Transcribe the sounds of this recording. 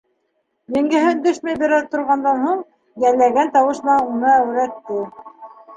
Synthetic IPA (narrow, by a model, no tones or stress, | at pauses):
jɘ̆ŋɡɘ̆ɦɘnd̪ɵʃmæjbɘ̆ɾæt̪ŏɾʁɑnd̪ɑnhuɴ | jælːæɡænt̪ɑwɤ̆ʃnɑunɤæwɾæt̪ːɘ